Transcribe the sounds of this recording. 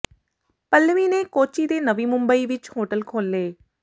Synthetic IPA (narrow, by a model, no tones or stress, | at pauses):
pəlːʋiːneːkoːt͡ʃiːd̪eːnəʋiːmʊmbəiːʋɪt͡ʃhoːʈəlkʰoːlːeː